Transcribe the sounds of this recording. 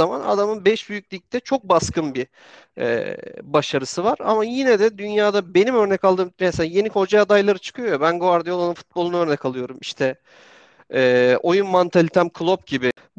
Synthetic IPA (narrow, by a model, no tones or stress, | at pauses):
ama̰na̰d̪amɯnbɛʃbyjyc̚ʲlʲic̚t̪ʰɛt͡ʃʰo̞k̚baskʰɯnbi | ɛ̰baʃaɾɯsɯvaɾa̰majinɛd̪ɛd̪ynjaːd̪abe̞nimøɾnɛkalˠd̪ɯːmnɛselaje̞nikʰo̞d͡ʒaad̪ajlˠaɾɯt͡ʃʰɯ̥kʰɯjo̞jobænɡovaɾd̪ajoanɯnfu̥t̪̚bo̞lˠunaøɾnɛkʰalˠɯjo̞ɾumiʃt̪ʰɛ | o̞junmant̪ʰalʲit̪ʰæmkʰɯlˠo̞p̚ɟibɪ